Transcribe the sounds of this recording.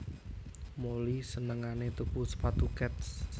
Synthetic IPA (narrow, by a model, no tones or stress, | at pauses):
molisənəŋanet̪upusə̥pat̪ukɛt̪̚s